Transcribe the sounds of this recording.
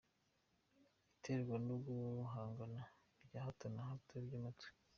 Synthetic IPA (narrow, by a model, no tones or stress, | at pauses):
itʰeɾɡwanoɡuɦaːŋɡana | ɾɟahatanaɦateɾɟamatw